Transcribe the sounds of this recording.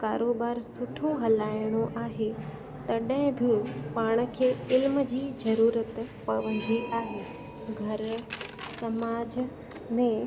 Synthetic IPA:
kaːɾoːbaːɾsʊʈʰoɦɐlaːɪɽ̃oʔaːɦe | t̪ɐɗɦɪ̃bʱipaːɽ̃ə̆kʰeːɪlməd͡ʑiːzɐɾuːɾət̪pɐʋə̃nd̪ʱiʔaːɦeː | ɡʱɐɾsɐmaːd͡ʑ | mẽ

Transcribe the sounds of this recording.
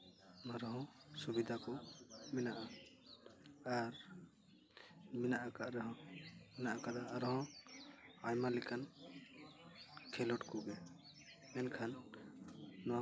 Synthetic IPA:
maɾɔɦɔ̃subid̪ʱakɔmɛnaʔa | aɾ | mɛnaʔakaʔɾɛɦɔ̃mɛnaʔakad̪aaɾɔɦɔ̃ | ajmalɛkan | kʰɛlɔʈkɔɡɛ | ɛnkʰanː | ɔwa

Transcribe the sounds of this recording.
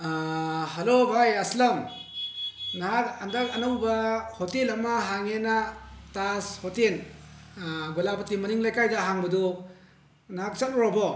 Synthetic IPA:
ɦɐlobʱajɐslɐm | naɦak̚ɐndak̚ɐnawbɐhotelɐmɐɦaŋenatashotel | ɡolapɐtimɐniŋlajkajdaɦaŋbɐdɔ | naɦak̚t͡ʃat̚ɔɾɔbɔ

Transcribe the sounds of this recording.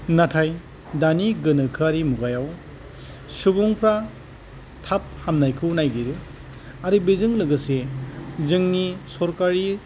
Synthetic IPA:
natʰaj | daniɡɯnɯkʰaɾimuɡajaw | subuŋpʰɾa | tʰap̚hamnajkʰɯwnajɡiɾɯ | aɾibezɯŋlɯɡɯsezɯŋnisɔɾkaɾi

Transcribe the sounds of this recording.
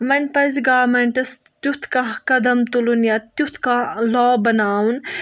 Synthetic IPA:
ʋɐnpɐzɡaːmɐɳʈɐs | t̪ut̪ʰkakɐd̪ɐmt̪ulunjat̪ut̪ʰkalɔːbɐnaːwun

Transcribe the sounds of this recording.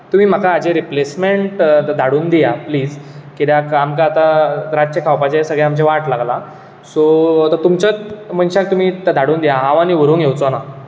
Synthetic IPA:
t̪um̤iːm̤akaːd͡ʑeɾiplesmeɳʈd̪ʱaɽuːnd̪ijapliːd͡zkid̪jakamkaːt̪aɾad͡ʑt͡ɕəkʰawpat͡ɕesəɡɭaamd͡ʑeʋaʈlaɡla | sot̪ət̪umt͡ɕət͡sm̤əɳɕak̚t̪um̤iːt̪əd̪ʱaɽuːnd̪ijaɦãʋañiʋəɾuːnɡjewt͡sona

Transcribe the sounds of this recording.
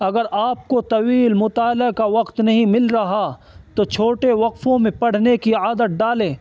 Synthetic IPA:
ɐɡəɾaːp̚kot̪ɐwiːlmʊt̪aːlakaʋɐqt̪nɐɦĩmɪlɾɐɦa | t̪ot͡ʃʰoːʈeʋɐqfõmẽpɐɽ̤nekiaːd̪ət̪̚ɖaːlẽː

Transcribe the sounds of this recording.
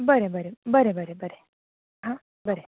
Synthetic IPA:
bəɾebəɾebəɾebəɾebəɾe | ɦã | bəɾe

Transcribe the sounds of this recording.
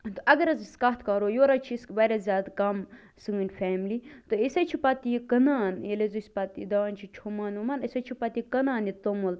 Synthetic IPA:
t̪oɐɡɐɾɐziskɐt̪ʰkɐɾojoːɾɐt͡ʃʰiskʋɐɾʲazʲaːd̪kɐm | sɨŋɨnʲfʰɛːmlit̪oisɐt͡ʃʰipɐt̪ijikɐnaːnelezusʲpɐt̪ḭd̪ɐʋanʲt͡ʃʰit͡ʃʰumaːnumɐnɐsɐt͡ʃʰipɐt̪ikɐnaːnit̪omul

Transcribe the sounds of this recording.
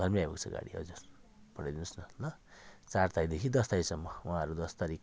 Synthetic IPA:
ɡʱʌrmiajbʌkt͡sʰʌ̰ɡa̰ɽiɦʌ̰d͡zur | pʌɽajd̪inusnʌnʌt͡sart̪ajd̪ekʰid̪ʌst̪ajsʌmːʌwãɦʌɾud̪ʌst̪aɾik

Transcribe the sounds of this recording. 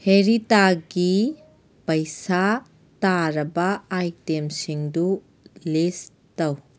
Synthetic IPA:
heɾitaɡi | pɐjsa | taɾɐbɐajtemsiŋdu | les | tɐw

